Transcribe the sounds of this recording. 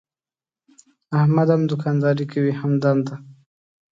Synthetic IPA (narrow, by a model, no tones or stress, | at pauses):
ahmad̪amd̪ʊkɑnd̪ɑɾikawihamd̪and̪a